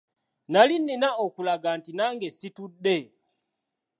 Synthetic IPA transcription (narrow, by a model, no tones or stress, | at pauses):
nalin̩ːinaɔkulaɡantinaŋɡɛsitudɛ